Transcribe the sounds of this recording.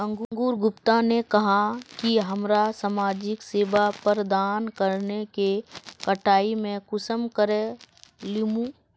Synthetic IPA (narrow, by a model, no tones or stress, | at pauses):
ə̃ŋɡũŋɡuːɾɡʊpt̪anekɐɦakiɦɐmɾasaːmaːd͡ʒɪkseːʋapəɾd̪aːnkəɾnekekəʈʰaːimẽkʊsəmkəɾelɪmũ